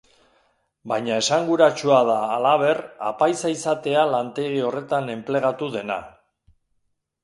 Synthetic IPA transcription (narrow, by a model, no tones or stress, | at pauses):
bajɲae̞saŋɡuɾat͡ʃuaðaːlaβ̞e̞ra̰pajsaisat̪e̞alant̪e̞ɣ̞io̞re̞t̪ane̞mple̞ɣ̞at̪uðe̞na̰